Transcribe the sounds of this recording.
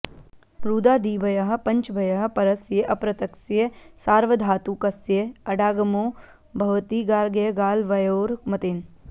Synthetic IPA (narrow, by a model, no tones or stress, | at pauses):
ɾuːd̪aːd̪iːbʱɐjaɦpɐ̃ɲt͡ʃbʱɐjɐɦɐpɐɾɐsjeʔɐpɾɐt̪ɐksjesaːɾʋəd̪ʱaːt̪ukɐsjeɐɖaːɡɐmoː | bʱɐʋt̪iːɡaːɾɡeɡaːlʋɐjoːɾmɐt̪en